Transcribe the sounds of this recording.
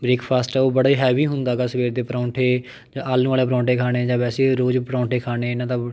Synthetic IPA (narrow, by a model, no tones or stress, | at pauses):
bɾeːkpʰaːsʈːoːbəɽaːiːɦɛːʋiːɦʊnd̪aːɡaːsəʋeːɾd̪eːpɾãːʈʰeː | d͡ʒãːaːlːũaːleːpɾãːɳʈeːkʰaːɽ̃eːd͡ʒãːʋɛːseːɾoːd͡ʒpəɾãːʈeːkʰaːɽeːɪnãːt̪aː